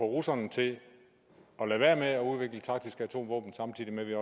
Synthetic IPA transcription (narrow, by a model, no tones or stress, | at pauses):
fɒʁusɐnt͡sʰe̝ | ɒ̽læʋæɐmeɒ̽uð̞ˠʋe̝ɡ̥lət͡sʰɑ̈ɡ̥̚d̥isɡ̥æt͡sʰo̝̰ːmʋɔ̰ːb̥n̩sɑ̈mt͡sʰḭːðˠimeʋiɒ̽